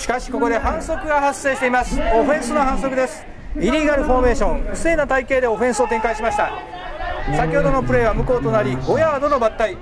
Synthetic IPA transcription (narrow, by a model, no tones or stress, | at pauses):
ɕi̥kaɕi̥ko̞ko̞d̪e̞hãɰ̃so̞kɯ̟ɡahasːe̞ːɕi̥t̪eimasɨ̥o̞ɸẽ̞ɰ̃sɨnoaɦãɰso̞kɯ̟d̪e̞sɨ̥ | iɾʲiɡaɾɯ̟ɸo̞ːme̞ːɕõ̞ŋɯ̟se̞ːnat̪aike̞ːd̪e̞o̞ɸẽ̞ɰ̃sɨo̞t̪ẽ̞ŋkaiɕimaɕi̥t̪a̰ | sakʲihod̪o̞no̞pɯ̟ɾe̞ːβamɯ̟ko̞ːt̪o̞naɾʲiɡo̞jaːd̪ono̞bat̪ːai